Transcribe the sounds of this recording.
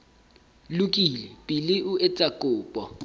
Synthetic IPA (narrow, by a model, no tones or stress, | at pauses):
lʊkʼilɛpʼilɪʔʊʔɛt͡sʼakʼʊːpʼɔ